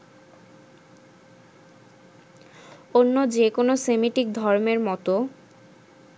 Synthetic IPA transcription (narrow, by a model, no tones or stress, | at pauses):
onːod͡ʑekonosemiʈik̚d̪ʱɔɾmeɾmɔt̪o